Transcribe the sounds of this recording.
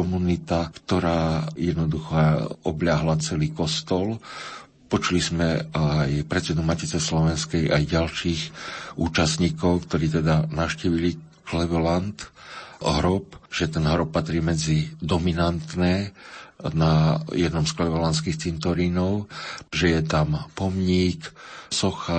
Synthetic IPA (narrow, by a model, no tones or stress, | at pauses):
kɔmunit̪akt̪ɔɾaːjɛd̪nɔd̪uxɛɔblaɦlat͡sɛliːkɔst̪ɔl | pɔt͡ʃulizmɛajpɾɛt̪t͡sɛd̪umacit͡sɛslɔʋɛnskɛjajɟalʃiːxuːt͡ʃast̪ɲikɔʊkt̪ɔɾiːt̪ɛd̪anaʃciːʋili | klɛʋɔlant̪ɦɾɔpʒ̥ɛt̪ɛnɦɾɔpːat̪ɾiːmɛd͡zid̪ɔminant̪nɛː | najɛd̪nɔmsklɛʋɛlanskiːxt͡sint̪ɔɾinɔʊʒɛjɛt̪ampɔmɲiːksɔxa